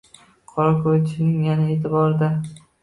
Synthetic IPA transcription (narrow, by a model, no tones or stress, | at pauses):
qʰɒɾakʰoɾɪt̪ʰɪʃɪnɪŋjanaeːt̪ʰɪbɒɾɪd̪a